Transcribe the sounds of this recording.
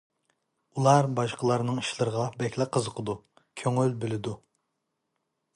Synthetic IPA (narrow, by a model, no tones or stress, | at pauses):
ulˠɑɾbɑʃqʰəlˠɑɾnɨŋiʃlˠɨɾəʁɑbɛkʲlæqʰːəzəqʰəd̪u | kʲʰøŋylbɪlɪd̪u